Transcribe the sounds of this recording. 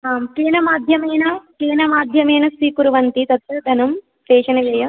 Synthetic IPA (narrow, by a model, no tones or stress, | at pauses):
aːmkiːnɐmaːd̪ʱjɐmeːnɐkeːnɐmaːd̪ʱjɐmeːnɐsiːkuɾuʋɐnt̪it̪ɐt̪ʋud̪ʱɐnɐm | peːʂɐnɐʋɐːjɐ